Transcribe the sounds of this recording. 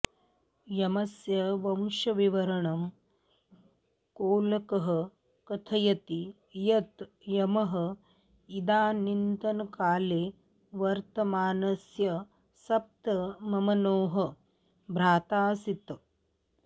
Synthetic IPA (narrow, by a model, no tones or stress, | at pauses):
jɐmɐsjɐʋɐmʃɐʋiʋɐɾɐɳɐm | koːlɐkɐɦɐ̆ | kɐt̪ʰɐjɐt̪i | jɐt̪ | jɐmɐɦɐ̆ | id̪aːnint̪ɐnɐkaːleː | ʋɐɾt̪ɐmaːnɐsjɐ | sɐp̚t̪ɐmɐmɐnoːɦɐ̆ | bʱɾaːt̪aːsit̪